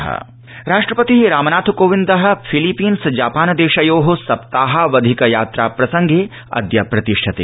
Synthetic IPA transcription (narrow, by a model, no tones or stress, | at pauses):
ɦɐ̰ | ɾaːʂʈɾɐpɐt̪iɾaːmɐnaːt̪ʰukoːʋĩnd̪ɐɦɐ̆pʰilipiːnsd͡ʒaːpaːnɐd̪eːʃɐjoːɦosɐpt̪aːɦaʋɐd̪ʱikɐjaːt̪ɾa̰ːpɾɐsɐŋɡʱeː | ɐ̰d̪jɐpɾɐt̪iʂʈʰɐt̪ḛː